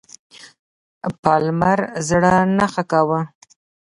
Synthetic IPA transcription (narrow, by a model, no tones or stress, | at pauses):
pɑlmaɾzɽanaxakawa